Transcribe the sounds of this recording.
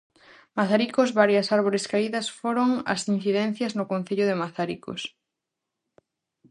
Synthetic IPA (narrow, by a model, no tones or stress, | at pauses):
maθaɾikozβaɾjɐsaɾβ̞oɾɪskaiðɐsfoɾoŋɐ̰sin̟θiðɛn̟θjɐznʊkõn̟θeʎʊðɪmaθaɾiko̰s